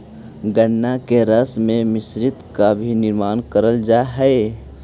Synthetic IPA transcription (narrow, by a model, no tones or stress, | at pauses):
ɡənːakeɾəsmẽmɪsɾɪt̪kabʱinɪɾmaːnkəɾəld͡ʒaɦɛe